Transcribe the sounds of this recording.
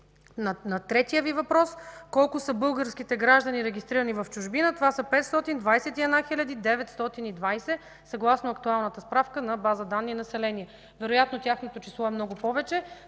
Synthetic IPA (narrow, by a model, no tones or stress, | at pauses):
nnɐt̪ɾɛt̪ijəvivɐpɾɔskɔlˠkʊsəbɤlˠɡəɾskit̪ɛɡɾaʒd̪ɐniɾɛɡʲist̪ɾiɾənivɐft͡ʃʊʒbinət̪ovasəpɛt̪st̪ɔt̪ind̪vajsɛt̪iɛd̪naxilʲad̪id̪ɛvɛt̪st̪ɔt̪inid̪vajsɛ | sɐɡlˠasnoɐkt̪ualˠnət̪əspɾafkənɐbazəd̪anːiːnɐsɛlɛniɛ | vɛɾojat̪not̪ʲaxnot̪ot͡ʃislˠɔɛmnɔɡʊpɔvɛt͡ʃɛ